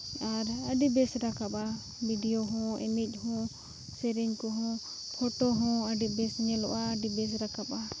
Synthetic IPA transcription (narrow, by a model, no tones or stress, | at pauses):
aɾəɖibɛsɾakaɓa | biɖijoɦɔ̃ɛ̰nic̚ˀɦɔ̃ | sɛɾiɲkɔɦɔ̃ | pʰɔʈɔɦɔ̃əɖibɛsɲɛlɔʔaːɖibɛs̬ɾakaɓa